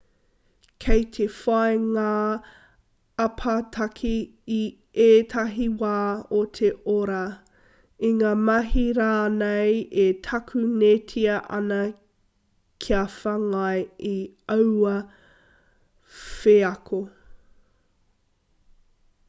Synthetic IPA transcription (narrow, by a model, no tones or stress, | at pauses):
kʰejtʰefɐeŋaː | ɐpʰatʰɐkʰiː | eːtʰɐɦiwaːotʰeoɾa | iŋaːmɐɦiɾanejetʰɐkʰʉnetʰiɐʔɐ̰nɐ | kʰiɐfɐŋɐeiawɐ | feɐkʰo